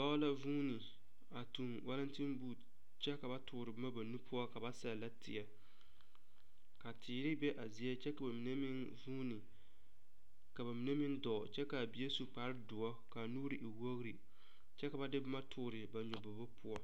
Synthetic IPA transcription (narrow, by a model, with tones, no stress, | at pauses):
ba˦la˦vuː˦nɪ˨ | a˨tu˨nwʔa˦lɪ˦n˦tɪ˦nbu˦ | t͡ʃɛ˦ka˨ba˦tʰʊ˨ɾɪ˨bɨ˦ma˦ba˨nu˦pʊ˦a˦ka˨ba˦sa˨la˦tɪ̰˨a˨ | ka˨tʰɪː˨ɾɪ˦bɛ˦ʔa˨zi˦ɛ˦t͡ʃɛ˦ka˨ba˨mi˨nɛ˦mɪ˦n | vuː˦nɪ˨ | ka˨ba˨mi˨nɛ˦mɪ˦ndɔ̰˨t͡ʃɛ˦ka˨bi˨˦e˦su˦˨k͡pa˨ɾɪ˦dʊ˨ɔ˦ka˨nuː˦ɾɪ˦ʔi˨wo˦ɣɾi˨ | t͡ʃɛ˦ka˨ba˦dɪ˦bʊ˦ma˦tʰʊ˦˨˦ɾɪ˨ba˨ɲɔ˨bʊ˨bo˦pʊ˦a˦